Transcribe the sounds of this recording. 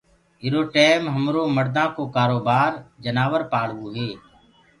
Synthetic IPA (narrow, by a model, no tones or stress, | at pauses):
ɪɾoːʈɛːmɦəmɾoːməɾd̪ãːkoːkaːɾoːbaːɾd͡ʒənaːʋəɾpaːɽ̤ʋoːɦeː